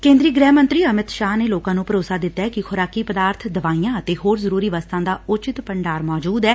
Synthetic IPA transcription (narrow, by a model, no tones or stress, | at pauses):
kẽːnd̪ɾiːɡɾɛːmənt̪ɾiːəmɪt̪ʃaːɦneːloːkãːnũːpəɾoːsaːd̪ɪt̪ːaɛkɪkʰʊɾaːkiːpəd̪aːɾt̪ʰd̪əʋaːiːjãːət̪eːɦoːɾzəɾuːɾiːʋaːst̪ãːd̪aːʊt͡ʃɪt̪pəɳɖaːɾmɔːd͡ʒuːd̪ɛː